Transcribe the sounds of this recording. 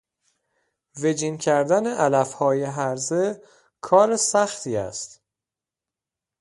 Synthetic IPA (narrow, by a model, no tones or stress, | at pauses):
ve̞d͡ʒiːncʰæɾd̪æneʔælæfhɒːjeɦæɾze | kʰɒːɾesæxt̪ʰiːæ̰st̪